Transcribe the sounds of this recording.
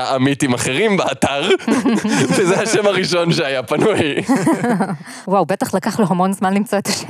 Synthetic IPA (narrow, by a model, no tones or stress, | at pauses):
aʔamit̪imaχeʁimbeat̪aʁ | vezehaʃemaʁiʃo̞nʃeajapanuj | wawbet̪aχlakaχloɦamo̞nzmanlimt͡soet̪aʃe